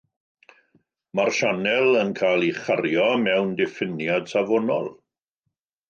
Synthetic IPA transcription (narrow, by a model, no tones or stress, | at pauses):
marʃanɛlˠənkʰalˠiχaɾjɔmɛwndɪfɪnjad̥savɔnɔlˠ